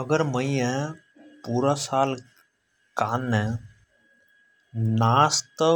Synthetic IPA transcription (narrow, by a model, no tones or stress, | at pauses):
əɡəɾmə̃iɛ̃ | puːɾasaːl | kaːnːɛ̃ | naːst̪ə